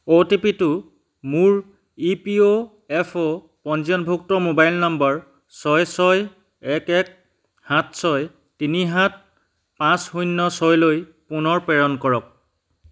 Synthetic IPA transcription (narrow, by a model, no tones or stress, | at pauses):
otipitʊ | muɹ | ipio | ɛpʰo | pɔnzɔnbʱuk̚tɔmobajlnɔmbɔɹ | sɔjsɔj | ɛkɛk | hat̚sɔj | tiniɦat̚ | pãshujnːɔsɔjloj | punɔɹpɛɹɔnkɔɹɔk̚